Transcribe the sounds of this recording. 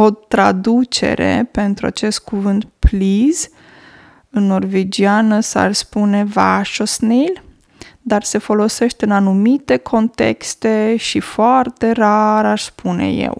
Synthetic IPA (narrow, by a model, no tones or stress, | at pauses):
o̞t̪ɾa̰d̪ut͡ʃe̞̰ɾe̞̰pe̞nt̪ɾua̰t͡ʃe̞st̪̚kuvɨnt̪pliz | ɨnːo̞rved͡ʒianəsa̰ʃspune̞va̰ʃosnil | d̪arse̞fo̞lo̞se̞ʃt̪eɨnanumit̪e̞kʰo̞nt̪e̞̰kst̪e̞ʃifoart̪e̞raɾaʃspʰunḛjḛw